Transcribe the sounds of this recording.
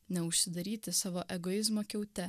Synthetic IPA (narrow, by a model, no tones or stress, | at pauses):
nʲɛʊʃʲsʲɪd̪ɐɾʲiːt̪ʲɪsɑːʋoːʔɛɡojɪzmoːkʲɛʊt̪ʲɛ